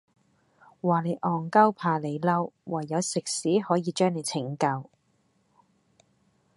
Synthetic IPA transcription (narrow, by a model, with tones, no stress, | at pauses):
waː˨˩le˨˧jʔɔː˨˩ŋkɐ˥wpʰaː˨˩le˨˧jlɐ˥wwɐ˨˩jːɐ˨˧wsɪ˨k̚siː˨˥hɔː˨˥jiː˨˧t͡ʃœː˥ŋne˨˧jt͡sʰɪ˨˥˩ŋkɐ˧w